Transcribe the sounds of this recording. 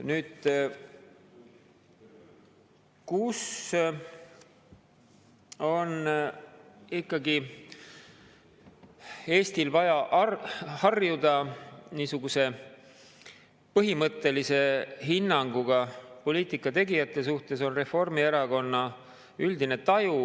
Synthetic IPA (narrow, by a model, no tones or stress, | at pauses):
nyːd̪̥ | kus | o̞n | ikːˑɑɡi | e̞ːst̪ilvɑjɑʔhɑrjud̪ɑniːsuɡ̥use̞ | pɤɦimɤt̪ːe̞lise̞ɦinːɑŋɡuɡ̥ɑpo̞liːt̪ikːˑɑt̪e̞ɡijɑt̪ːˑe̞s̬uht̪e̞so̞nre̞fo̞rmieɾɑko̞nːɑ | yld̪ine̞t̪ɑju